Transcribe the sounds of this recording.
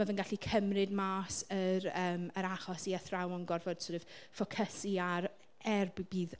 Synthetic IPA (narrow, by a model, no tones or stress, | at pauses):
avənɡaɬikʰəmrɨdmaːsəɾəːməɾaχɔsiəθrawɔnɡɔrvɔd̥sʊɾɨv̥fɔkʰəsiar | ɛrbbiːð